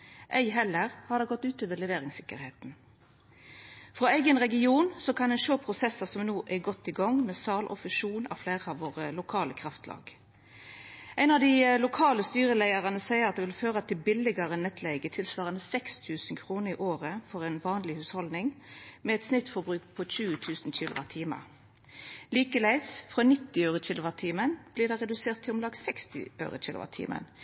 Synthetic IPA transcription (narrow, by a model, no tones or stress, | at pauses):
ʔæɪɦɛlːəʁhɑd̪ɛɡɔt̪ːʉːt̪oːʋəlɛʋeːɾɪŋsɪkə̰ɾheːt̪n̩ | fʁoːæɪɡənʁɛɡɪuːnsɔkʰɑnɛɪnʃoːpʰʁʊsɛsəsɔmnoːʔɛɡɔt̪ːɪɡɔŋmɛːsɑːlʔɔ̰fʉʃuːnɑ̰fleːʁəɑʋʋoːʁəlʊkʰɑːləkʰɾɑft̪ʰlɑ̰ːɡ | ʔæɪnɑʋd̪ɪlʊkʰɑːləst̪yːʁəlæɪəʁɑnəsæɪəʁɑt̪d̪eʋɪlføːʁɑt̪ʰɪlbɪlɪɡɑʁənɛt̪ʰlɛɪɡət̪ʰɪlsʋɑːʁənəsɛkst̪ʰʉːsn̩kʰʁuːnəʁɪʔoːʁəfɔʁɛɪnʋɑːnlɪhʉːshɔld̪nɪŋmɛɛt̪snɪt̪fɔbʁʉːkpʰɔçʉːət̪ʰʉːsn̩c͡çiːlʊʋɑt̪ʰiːmə̰ | liːkəlæɪsfʁɑːnɪt̪ːɪœʉʁəc͡çɪːlʊʋɑt̪ʰiːmənb̥liːd̪æʁɛd̪ʉseːʁt̪ʰːɪlɔmlɑːɡsɛkst̪ɪ̰ʔœ̰ʉʁə̰çʰɪ̰ːlʊ̰ʔɑ̰t̪ʰḭːmʔə̰n